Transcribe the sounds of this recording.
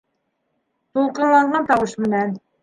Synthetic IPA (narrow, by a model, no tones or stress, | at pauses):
t̪ʰolˠqənlˠɑɴʁɑnt̪ʰɑwuʃmɪnɛn